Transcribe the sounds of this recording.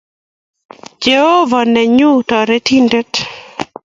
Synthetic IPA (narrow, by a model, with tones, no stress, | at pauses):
d͡ʒe˨ho˦va˨nɛ˨ɲu˦tɔ˨ɾe˦ti˦nde˦t